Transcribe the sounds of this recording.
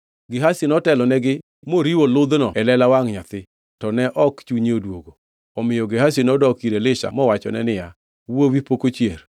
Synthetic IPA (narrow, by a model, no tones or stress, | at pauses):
ɡɪɦasinɔtɛlɔnɛɡɪ | moɾiwolʊd̪nɔɛlɛlawaŋɲat̪ɪ | tɔnɛʔɔkt͡ʃuɲiodwoɡo | ɔmɪjɔɡɪɦasinɔdɔkiɾelɪʃa̰mɔwat͡ʃɔ̰nɛnɪja | wowipokot͡ʃjer